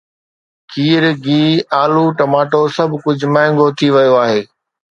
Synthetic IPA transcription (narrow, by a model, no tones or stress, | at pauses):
kiːɾɡiːaːluʈɐmaːʈosɐbʱkʊd͡ʑʱmɛ̃ːŋɡot̪ʰiʋɐjoaːɦeː